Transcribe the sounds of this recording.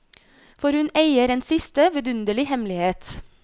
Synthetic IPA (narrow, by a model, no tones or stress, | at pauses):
fɔɾhʉneɪəɾeːnsɪst̪əʋɛd̪ʉnd̪əlɪhɛmlɪheːt̪